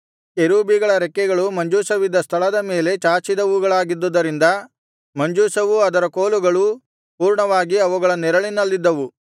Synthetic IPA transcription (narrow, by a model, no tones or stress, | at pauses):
eɾuːbiɡɐɭɐɾɛkːɛɡɐɭumɐɲd͡ʒuːsɐʋid̪ːɐst̪ʰɐɭɐd̪ɐme̞ːle̞t͡ʃaːt͡ʃid̪ɐuɡɐɭaːɡid̪ːud̪ːɐɾind̪ɐ | mɐɲd͡ʒuːsɐʋuɐd̪ɐɾɐkoːluɡɐɭu | puːɾɳɐʋaːɡiɐʋuɡɐɭɐnɛɾɐɭinɐlːid̪ːɐʋu